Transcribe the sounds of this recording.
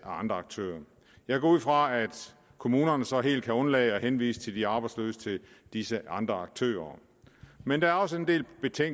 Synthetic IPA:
æɑ̈nd̥ʁɐɑ̈ɡ̥̚t͡sʰø̰ːɐ | jɑ̈ɪɡ̥ɒ̰ːuð̰ˠfʁɑ̈æd̥ | kʰo̝muːnɐnəsɒ̽ɦe̝̰ːld̚kʰæɔ̽nlɛ̰ːɪɒ̽henʋḭːsə̥t͡sʰe̝ld̥iɑ̈ːb̥ɑ̈ɪd̥slø̰ːsə̥t͡sʰe̝l | d̥isəɑ̈nd̥ʁɐɑ̈ɡ̥̚t͡sʰø̰ːɐ | mend̥ɑ̈æɐɒ̽s̬əe̝nd̥e̝̰ːlb̥e̝t͡sʰeŋ

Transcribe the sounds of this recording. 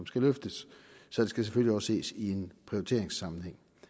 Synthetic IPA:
ɒmsɡ̥æløfd̥əsːɒ̽d̥e̝sɡ̥æseføljiɒ̽sːe̝̰ːsie̝npʰʁioit͡sʰe̝ɐeŋsɑ̈mn̩heŋ̰

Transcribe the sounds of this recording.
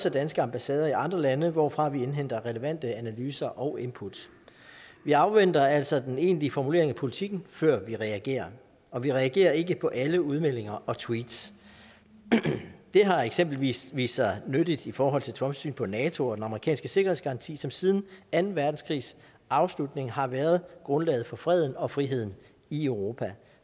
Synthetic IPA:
səd̥ænsɡ̥əɑ̈mb̥æsɛːð̞ˠɐiʔɑ̈nd̥ʁɐlænəʋɒ̰ːfʁɑ̈ʋie̝nɦen̰d̥ɐʁɛləʋæn̰d̥əænælyːsɐʔɒ̽ʊʔe̝mpʰud̥ | ʋiɑ̈ʊʋen̰d̥ɐæl̰sɒ̽d̥ene̝̰ːnliəfɒmule̝̰ɐeŋæpʰo̝lit͡sʰiɡ̥n̩fɶɐ̰ʋiʁɛæɡ̥e̝̰ːɐ | ɒ̽ʋiʁɛæɡ̥e̝̰ːɐe̝ɡəpʰɒ̽ʔæləuð̞ˠmel̰e̝ŋɐʔɒ̽t͡sʰwiːd̥s | d̥e̝ɦɑ̈eɡ̥sem̰b̥l̩ʋḭʋḭːsɑnødid̥ifɒːɦɒ̽l̰t͡sʰe̝t͡sʰʁɒ̽msy̰ːnpʰɒ̽nɛːt͡sʰo̝ɒ̽d̥enɑ̈məʁikʰɛ̰ːnsɡ̥əse̝ɡ̥ɐhe̝ðˠsɡ̥ɑ̈ʁɑ̈nt͡sʰḭːsɒ̽msið̞ˠn̩ænn̩ʋæɐd̥n̩skʰʁḭːs | ɑ̈ʊslud̥ne̝ŋɦɑ̈ʋæːɐð̞ˠɡ̥ʁɔ̽nlɛ̰ːɪð̩ˠfɒ̽fʁɛð̞̰ˠn̩ɒ̽fʁiɦe̝ð̞̰ˠn̩ | iøʊʁo̝ːpʰæ

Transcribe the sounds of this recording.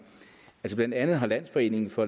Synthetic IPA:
ælsəblæn̰d̥ænð̞̩ˠɦɑ̈læn̰sfɒ̽e̝̰ːne̝ŋfɒ̽

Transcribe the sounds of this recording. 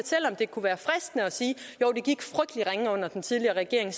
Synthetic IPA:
ɒt͡sʰel̰ɒ̽md̥e̝kʰuʋæːɐfʁɛsd̥nəɒ̽siːjoʊd̥e̝ɡ̥iɡ̥fʁœɡ̥d̥liʁaŋəɔ̽n̰ɐd̥ent͡sʰiðˠliɐːʁɛɡ̥e̝ɐe̝ŋs

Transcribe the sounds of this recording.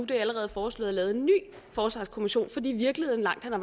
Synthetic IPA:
ud̥eæləʁɛːð̩ˠfɒːslɔ̰ð̩ˠælɛːʊð̞̩ˠenːy̰ː | fɒːsʋɑ̈ːskʰo̝miɕo̝̰ːnfɒ̽d̥ḭːʋiɐɡ̥lihe̝ð̰ˠn̩lɑ̈ŋ̰d̥hænɑ

